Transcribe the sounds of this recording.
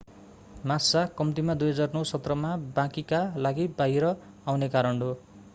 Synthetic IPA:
masakʌmt̪imad̪ujɦʌd͡zarnʌwsʌt̪rʌmabãkikalaɡibajɾʌ | awnekaɾʌɳɖo

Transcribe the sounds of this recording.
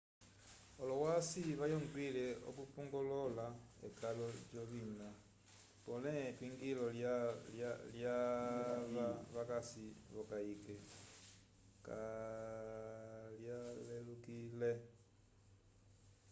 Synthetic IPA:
olowasiβajoŋɡwileo̰kupuŋɡololaḛkalot͡ʃoβina | ponetwiŋɡilollalja | βaβakasiβokaike | ka | ljalelukile

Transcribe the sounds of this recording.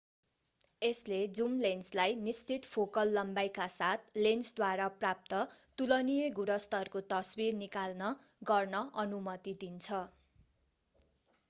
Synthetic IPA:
esled͡zumlenslajnist͡sʰit̪pʰokʌlːʌmbajkasat̪̚ʰlensd̪waɾaprap̚t̪ʌt̪ulʌnijeɡuɽʌst̪ʌrkot̪ʌsbirnikalnʌ | ɡʌrnʌʔʌnumʌt̪id̪int͡sʰʌ

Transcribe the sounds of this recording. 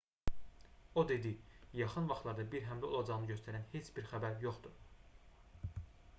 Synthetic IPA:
o̞d̪e̞d̪ijɑχɯnvɑχt̪lˠɑɾd̪ɑbiɾɦæmlæo̞̰lˠɑd͡ʒɑʁnɯɟøst̪æɾænhe̞t͡ʃʰbiɾxæbæɾjo̞χt̪u

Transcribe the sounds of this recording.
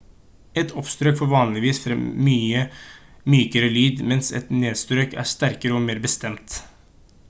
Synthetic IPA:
ɛt̪ʰɔpst̪ɾøːkfɔɾʋɑːnlɪʋiːsfɾɛmyːə | myːkəɾəlyːd̪mɛnsɛ̰t̪neːd̪st̪ɾøːkæ̰ːʂt̪æɾkəɾəɔːmeːɾbəst̪ɛmt̪

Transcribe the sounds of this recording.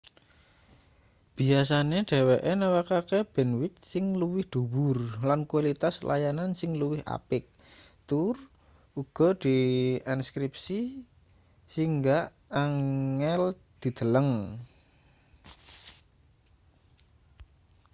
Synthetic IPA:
b̥i̤as̬aneɖ̥e̤weʔenawakakeb̥ɛ̤nwɪt̪̚sɪŋluwɪhd̪̥ṳwʊrlankualit̪aslʔa̰janansɪŋluwɪhʔa̰pɪk̚ | t̪ʊr | uɡ̥ɔ̤d̪̥i̤inskɾip̚si | siŋɡaʔ | aŋɛld̪̥i̤d̪̥ə̤ləŋ

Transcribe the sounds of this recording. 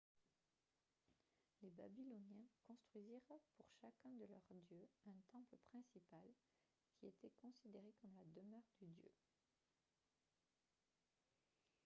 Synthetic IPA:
leba̰bilɔnjɛ̃kɔ̃st̪χɥiziʁpuʁʃakʲɛ̃d̪əlœʁd̪jøɛ̃t̪ɑ̃pləpχɛ̃sipal | kʲʰiet̪ɛkɔ̃sid̪eʁekɔmlad̪əmœʁd̪yd̪jø̰

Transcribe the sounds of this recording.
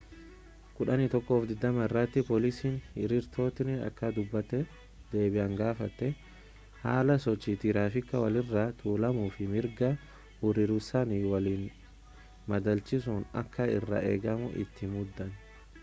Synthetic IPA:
kʊᶑɐnɪt̪ɔkːo̞ːfd̪ɪd̪ːɐmɐɪrːat̪ːɪpoːlisiːnɪɾɪɾt̪ʰo̞ːt̪ɪnɪɐ̰kːɐd̪ʊbːɐt̪ːɛ | d̪̥e̞ːbɪʔɐŋɡaːfɐt̪ːɛ | ha̰ːlɐsɔt͡ʃːit̪ɪɾaːfɪkːɐwɐlɪrːat̪ʰuːlɐmuːfɪmɪɾɡɐ | hʊɾɪɾʊsɐniwɐliːn | mɐd̪ɐlt͡ʃɪsʊnɐ̰kːɐɪ̰rːɐ̰ʔḛːɡɐmʊ̰ʔɪ̰t̪ːɪmʊd̪ːɐn

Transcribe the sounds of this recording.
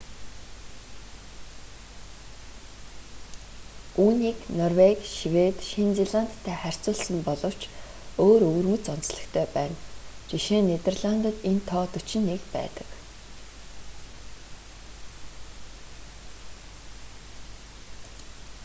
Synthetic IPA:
uːniːknɔrwekʲʃiwet̪ʃint͡seɮan̥t̪ʰːæːχær̥ʲt͡sʊːɮsə̆mpɔɮɞ̆w̥t͡ɕ | oːɾɵɣɵ̆rɵ̆ŋɵ̆t͡sɔn̥t͡sɮə̆xkt̪ʰœːpæːnt͡ɕiʃeːnːet̪erɮant̪ə̆t̪ent̪ʰɔːt̪ɵt͡ɕɪ̆nːekpæ̰ːt̪ə̥̆k

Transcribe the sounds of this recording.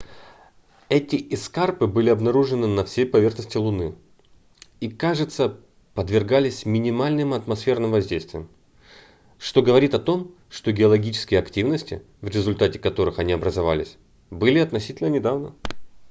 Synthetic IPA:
ɛtʲɪʔɪskarpɨbɨlʲɪɐbnɐɾuʐɨnɨnɐfsʲejpɐvʲe̞rxnəsʲtʲɪlˠʊnɨ | ikaʐɨt̪sə | pəd̪vʲɪrɡalʲɪsʲmʲɪnʲɪmalʲnɨmɐt̪mɐsfʲe̞rnɨmvɐzʲdʲejst̪vʲɪjəm | ʂt̪o̞ɡəvɐɾʲit̪ɐt̪o̞m | ʂt̪o̞ɡʲɪɐlˠɐɡʲit͡ɕɪ̥skʲɪjəɐktʲivnəsʲtʲɪ̰ | vɾʲɪzʊlʲt̪atʲɪ̥kɐt̪o̞ɾɨxɐnʲiɐbɾəzɐva̰lʲɪ̰sʲ | bɨlʲɪɐt̪nɐsʲitʲɪlʲnənʲɪd̪avnə

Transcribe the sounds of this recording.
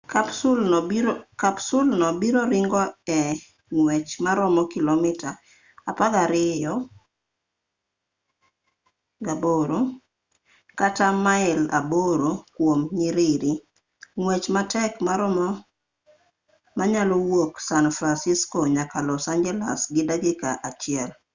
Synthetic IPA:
kapsul | kapsulnɔbiɾoɾɪŋɡɔɛ | ŋwɛt͡ʃmaɾɔmɔkilɔmɪta | apaɡaɾɪjɔ | ɡaboɾo | katamaɪla̰boɾokwomɲiɾiɾi | ŋwɛt͡ʃmatɛkmaɾɔm | maɲalɔwoksanfɾansiskoɲakalɔsand͡ʒɛla̰sɡɪdaɡɪkaʔat͡ʃɪɛl

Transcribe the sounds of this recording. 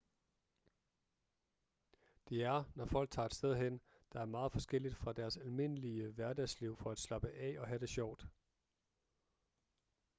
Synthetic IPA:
d̥e̝æɐnɒfɒ̽l̰ɡ̥̚t͡sʰɑ̰̈ːe̝d̥sd̥eð̞ˠɦen̰ | d̥ɑ̈æɐmɑ̈ːð̩ˠfɒ̽sɡ̥el̰id̥fʁɑ̈d̥æɐsælme̝n̰əliəʋæɐdɛsliʊ̰fɒ̽æd̥slɑ̈b̥əʔɛɒ̽ɦæd̥e̝ɕɒʊ̰d̥

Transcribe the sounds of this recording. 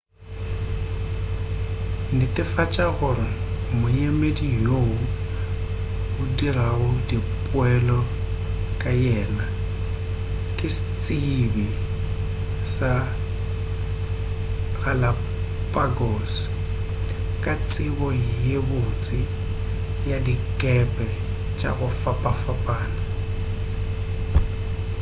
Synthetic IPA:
nɪtʼɪfat͡ʃʼaɣʊɾɪ | mʊjemedijoʊ | ʊdiɾaʊdipʼʊɛlɔ | kʼajɛːna | kʼɪsɪt͡sʼibɪ | sa | ɣala | pʼaɡoːs | kʼat͡sʼɪbɔjebʊt͡sʼɪ | jadikʼɛpʼɛ | t͡ʃʼa̰ɣʊfapʼafapʼaːna

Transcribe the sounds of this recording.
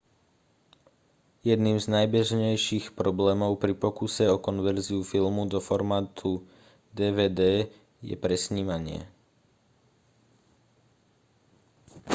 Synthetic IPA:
jɛd̪niːmznajbɛʒɲɛjʃixpɾɔblɛːmɔʊpɾipɔkusɛɔkɔnʋɛɾziufilmud̪ɔfɔɾmaːt̪ʰu | d̪ɛːʋɛːd̪ɛː | jɛ̰pɾɛsɲiːmaɲɪɛ̰

